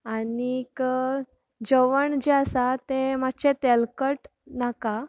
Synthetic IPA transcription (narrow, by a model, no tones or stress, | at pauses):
anik | d͡ʑəʋəɳd͡ʑeasat̪emat͡ɕet̪ɛlkəʈ | naka